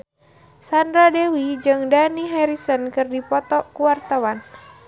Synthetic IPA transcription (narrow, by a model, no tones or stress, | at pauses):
sandɾadewid͡ʒɨŋdaniɦaɾisənkɨrdipɔt̪ɔkuwart̪awan